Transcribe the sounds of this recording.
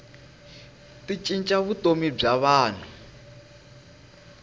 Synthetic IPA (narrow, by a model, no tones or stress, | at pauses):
tit͡ʃʼint͡ʃʼaβutomib͡ʐaβaːn̤u